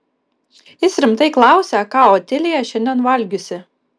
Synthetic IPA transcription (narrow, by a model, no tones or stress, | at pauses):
jɪsɾʲɪmt̪ɐɪklˠɑˑʊsʲɛkɑːɔːt̪ʲɛlʲɪjɛʃʲɛnʲd̪ʲɛnʋɐlʲɡʲʊsʲɪ